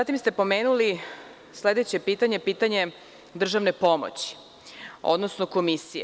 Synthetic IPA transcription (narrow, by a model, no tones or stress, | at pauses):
at̪imst̪e̞po̞meːnuli | sle̞d̪et͡ɕe̞piːt̪aɲe̞piːt̪aɲe̞ | d̪r̩ʒaʋne̞po̞mo̰t͡ɕi̥ | o̞̰d̪nosnoko̞misije